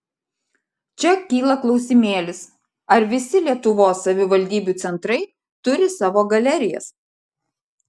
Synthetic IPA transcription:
t͡ʃʲɛkʲiːlˠɐklˠɒʊsʲɪmʲeːlʲɪs | ɐɾʋʲɪsʲɪlʲiɛt̪ʊʋoːsːɐʋʲɪʋɐlʲd̪ʲiːbʲuˑt̪sʲɛnt̪ɾɐɪ | t̪ʊɾʲɪsɑːʋoːɡɐlʲɛɾʲɪjɛ̰s

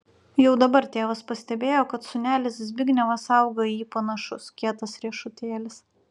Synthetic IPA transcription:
jɛʊd̪ɐbɐɾt̪ʲeːʋɐspɐsʲt̪ʲɛbʲeːjoːkɐt̪sʊnʲæːlʲɪszʲbʲɪɡʲnʲɛʋɐsɐˑʊɡɐiːpɐnɐʃʊskʲiɛt̪ɐsɾʲiɛʃʊt̪ʲeːlʲɪs

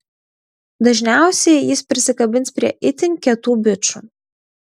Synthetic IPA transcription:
d̪ɐʒʲnʲæˑʊsʲɛɪjɪspʲɾʲɪsʲɪkɐbʲɪnspʲɾʲiɛʔɪt̪ʲɪnʲkʲɛt̪uːbʲɪt͡ʃṵː

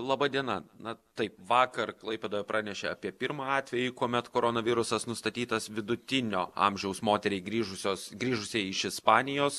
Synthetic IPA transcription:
lˠɑbɐd̪ʲiɛnɐnɐt̪ɐɪpʋɑːkɐrklˠɐɪpʲeːd̪oːʋɛpɾʔɑːnʲɛʃʲeːɐpʲiɛpʲɪɾmɑɑːt̪ʲʋʲɛjɪkuɔmʲɛt̪koːɾoːnɐʋʲɪɾʊsɐsnʊst̪ɐt̪ʲiːt̪ɐsʋʲɪd̪ʊt̪ʲɪnʲoːɐ̰mʲʒʲɛʊsmoːt̪ʲɛɾʲɛɪɡɾʲiːʒʊsʲoːsɡɾʲiːʒʊsʲeɛɪʃɪspɑːnʲɪjoːs

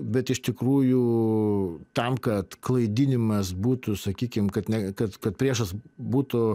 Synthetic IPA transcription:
bʲɛt̪ɪʃt̪ʲɪkɾuːjuː | t̪ɐmkɐt̪klˠɐɪd̪ʲɪnʲɪmɐsbuːt̪ʊsɐkʲiːkʲɪmkɐt̪nʲɛkɐt̪kɐt̪̚pʲɾʲiɛʃɐsbuːt̪ʊ

